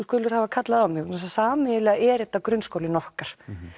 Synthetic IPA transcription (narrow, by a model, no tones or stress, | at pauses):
kʏːlʏɾ̥havakʰat̪laðamɪɣɛsasaːmɪɪlɛɣaʔɛːɾɛt̪ːakɾʏnskowlɪnɔhkaɾ̥